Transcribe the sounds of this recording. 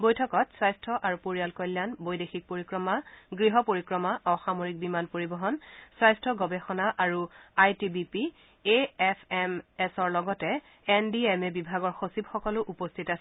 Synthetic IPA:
bojtʰɔkɔtswajstʰɔʔaɹupoɹijalkɔljanbojdexik̚poɹikɹɔmaɡɹiɦɔpoɹikɹɔmaʔɔxamoɹik̚bimanpoɹibɔɦɔnswajstʰɔɡɔbɛxɔnaʔaɹuajtibipi | eɛpʰɛmɛsɔɹlɔɡɔtɛ | ɛndiemɛbibʱaɡɔɹxosibxɔkɔlʊʔupostʰitasɛ

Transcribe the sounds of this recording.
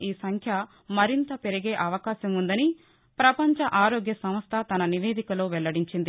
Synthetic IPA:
iːsɐŋkʰjɐ | mɐɾint̪ɐpeɾɐɡe̞ːʔɐʋɐkaːʃɐmund̪ɐni | pɾɐpɐɲt͡ʃɐʔaːɾoːɡjɐsɐmɐst̪ʰɐt̪ɐnɐniʋe̞ːd̪ikɐlo̞ːʋɛɭːɐɽiɲt͡ʃind̪i

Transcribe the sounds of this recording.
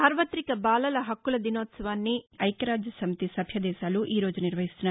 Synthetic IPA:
saːɾʋɐt̪ɾikɐbaːlɐlɐɦɐkːulɐd̪inoːt̪sɐʋaːnːiɐjkɐɾaːd͡ʒjɐsɐmit̪isɐbʱjɐd̪ɛːʃaːluʔiːɾo̞ːd͡ʒuniɾʋɐɦist̪unːaː

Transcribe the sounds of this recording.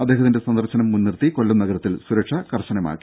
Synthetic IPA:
ɐd̪ːeːɦɐt̪inde̞sɐnd̪ɐrɕɐnɐmːunːirt̪iko̞ɭːumnɐɣɐɾɐt̪ːilsuɾɐkʂɐkɐrɕɐnɐma̰ːkːi

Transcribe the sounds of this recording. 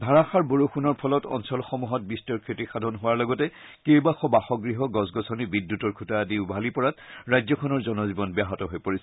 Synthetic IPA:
dʱaɹaxaɹboɹoxunɔɹpʰɔlɔtɔ̰nsɔlxɔmuɦɔt̚bistɔɹkʰɹetixadʱɔnɦʊwaɹlɔɡɔtɛ | kejbaxɔbaxɔɡɹiɦɔɡɔsɡɔsʰɔnibidːutɔɹkʰutadiʊbʱalipɔɹatɹajzɔkʰɔnɔɹzɔnɔzibɔnbaɦɔtɔɦojpoɹisɛ

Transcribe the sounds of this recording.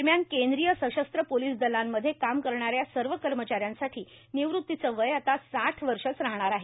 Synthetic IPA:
ɾmjankend̪ɾijəsəɕəst̪ɾəpoliːsd̪əlamːəd̪ʱːjekamkəɾɳaɾjasəɾʋəkəɾmət͡ɕaɾjansaʈʰiː | niʋɾut̪ːit͡səʋəjat̪asaʈʰʋəɾʂət͡sɾaɦɳ̃aɾaɦe

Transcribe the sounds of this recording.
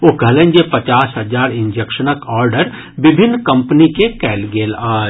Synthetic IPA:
oɡʱɐlə̃nd͡ʒepɐt͡ʃaːsɦɐzaːɾɪ̃ɲd͡ʒekʃənəkɔːɾɖəɾ | bɪbʱɪnːkɐ̃mpnikekɛːlɡeːlaː

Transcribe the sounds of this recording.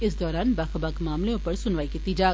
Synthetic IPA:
ɪs̬d̪ɔːɾaːnbɐxbakmaːmleõpɐɾsʊnʋaːikiːt̪id͡ʒaː

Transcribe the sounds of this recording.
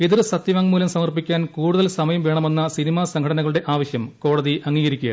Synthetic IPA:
eðirsɐt̪jɐʋaːŋmuːlɐmsɐmɐrpikʲːaːnkuːɽuðɐlsɐmɐjɐmʋe̞ːɳɐme̞nːɐsinimaːsɐŋkʰɐɽɐnɐɣɐɭuɽe̞ʔaːʋɐɕjɐmko̞ːɽɐðiʔɐŋːiːɣɐɾikʲːujɐ̰

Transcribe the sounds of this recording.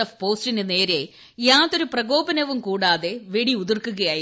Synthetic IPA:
ɐfpo̞ːstinɨne̞ːɾe̞ | jaːt̪ːo̞ɾuprɐɣo̞ːbɐnɐʋumkuːɽaːðe̞ʋeɽiuðirkːuɣɐjaːji

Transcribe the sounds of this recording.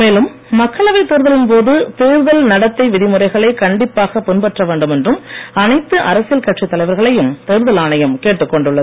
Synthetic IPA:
meːlɯmː | ɐkːɐɭɐʋɐɪt̪eːɾɯðɐlɪnpoːðɯt̪eːɾɯðɐlnɐɽɐt̪ːɐɪʋɪðɪmɯrɐɪɣɐɭɐɪkɐɳɖɪpːaːɣɐpːɪnpɐʈrɐʋeːɳɖɯmɛndrɯmɐnɐɪt̪ːɯʔɐɾɐsɪjɐlkɐʈrit̪ːɐlɐɪʋɐɾɣɐɭɐjɯmt̪eːɾɯðɐlaːnɐjɐmkeːʈːɯkːɔɳɖɯɭːɐð

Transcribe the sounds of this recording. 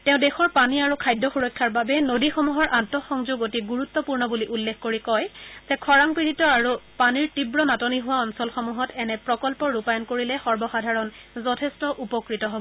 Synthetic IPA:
tɛʊ̃dɛxɔɹpaniaɹukʰajdʱːɔxuɹɔkʰːaɹbabɛnodixɔmuɦɔɹʔantɔxɔŋzuɡotiɡuɹut̪ːɔpuɹnɔbuliʔulːexkoɹikɔjzɛkʰɔɹaŋpiɹitɔaɹupaniɹtibɹɔnatɔniɦʊwaɔnsɔlxɔmuɦɔtɛnɛpɹɔkɔlpɔɹupajɔnkoɹilɛxɔɹbɔxadʱaɹɔn | zɔtʰɛstɔʔupɔkɹitɔɦɔbɔ

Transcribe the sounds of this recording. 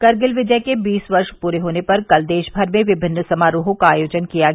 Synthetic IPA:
kɐɾɡɪlʋɪd͡ʒəkebiːsʋɐɾʃpuːɾeɦoːnepɐɾkɐld̪eːʃbʱɐɾmẽʋɪbʱɪnːəsɐmaːɾoːɦõkaaːjoːd͡ʒənkija

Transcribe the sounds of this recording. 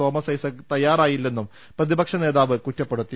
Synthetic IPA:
o̞ːmɐsɐjsɨt̪ɐjːaːɾaːjilːe̞nːum | prɐðibɐkʂɐne̞ːðaːʋɨkutːɐpːe̞ɽut̪ːi

